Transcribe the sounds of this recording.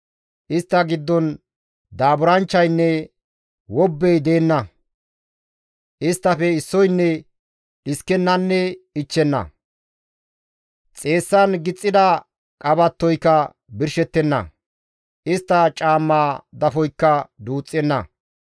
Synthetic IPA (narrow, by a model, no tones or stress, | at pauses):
ʔɪst̪ːɐɡɪd̪ːɔn | d̪aːbʊɾɐnt͡ʃːɐjnːɛ | wɔbːɛjd̪e̞ːnːɐ | ʔɪst̪ːɐfɛɪsːɔjnːɛ | ɪskːɛnːɐnːɛɪt͡ʃːɛnːɐ̰ | t͡sʼe̞ːsːɐnɡɪt͡sʼːɪd̪ɐ | kʼɐbɐt̪ːɔjkːɐ | bɪɾʃɛt̪ːɛnːɐ̰ | ʔɪst̪ːɐt͡ʃʼaːmːaːd̪ɐfɔjkːɐd̪uːt͡sʼːɛnːɐ